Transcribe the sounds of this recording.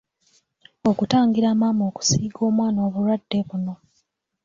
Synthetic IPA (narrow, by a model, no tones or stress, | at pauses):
okutaːŋɡiɾaːmaːmo̞ːku̥siːɡo̞ːmwaːnoːβuɾwadːe̞βuno̞